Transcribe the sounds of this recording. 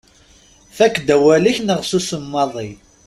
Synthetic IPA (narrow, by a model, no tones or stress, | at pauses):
θækːd̪æwæliçnəʁsusəmːɑðˤi